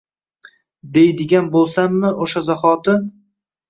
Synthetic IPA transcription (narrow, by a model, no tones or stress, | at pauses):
d̪e̞jd̪ɪɡʲanbolˠsamːɪʔoʃazaχɒt̪ɪ